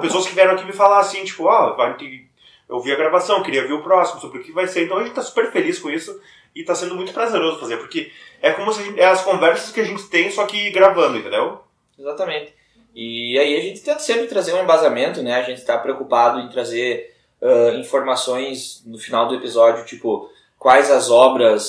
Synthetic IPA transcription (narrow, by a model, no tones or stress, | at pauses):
pesoɐskɪviɛɾ̃ɐ̃akimɪfalasĩt͡ʃi̥pʊavajt̪e | ḛwviɐɡɾavasɐ̃w̃kɪɾiɐviɾʊpɾɔsimʊsobɾɪʊkɪvajseɾẽnt̪ɐ̃w̃ɐẽt̪ɪt̪asu̥peɾfeliskõisʊ | ɪt̪asẽnd̪ʊmũt̪ʊ̥pɾazeɾozʊfazeɾpoɾkeɛkõmʊsɪaʒẽnɛɐskõvɛɾsɐskɪaʒẽnt̪ɪ̥t̪ẽj̃sɔkɪɡɾavɐ̃nd̪ʊẽẽnd̪ew | ezat̪ɐmẽnt̪ɪ̥ | ɪaiɐʒẽnt̪ɪ̥t̪ẽnt̪ɐsẽmpɾɪt̪ɾazeɾũẽmbazamẽnt̪ʊnɛɐʒẽnt̪ɪ̥t̪apɾeowkupad̪ʊẽt̪ɾazeɾ | ɛĩfoɾmasõj̃snʊfinawd̪ʊepizɔd͡ʒiʊt͡ʃipʊ | kwajzɐzɔbɾɐs